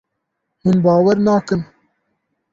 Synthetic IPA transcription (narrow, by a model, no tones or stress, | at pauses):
hunbɑːwɛɾnɑːkɨn